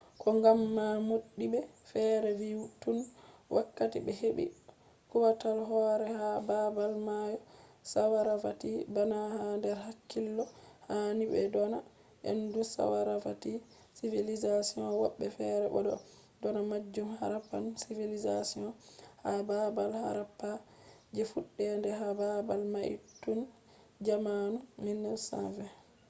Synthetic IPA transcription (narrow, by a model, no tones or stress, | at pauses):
kʰɔŋɡamːamoɗːibɛfɛɾɛviwutunwʔakːatiɓɛheɓḭ | kuwatalɦɔɾɛhababalmajɔsawaɾafatibanahandɛɾhakːilːɔhaniɓɛ̰dɔna | ʔɛ̰ndusa̰waɾafati | sivilizasiɔnwɔ̰ɓːɛfɛɾɛbɔ̰dɔ̰ | dɔnamad͡ʒːumha̰ɾapːa̰nsivilizasiɔnhababalha̰ɾapːa | d͡ʒɛfuɗːɛndɛhababalmaʔḭtːun | d͡ʒamanuminːɛlsa̰vɛ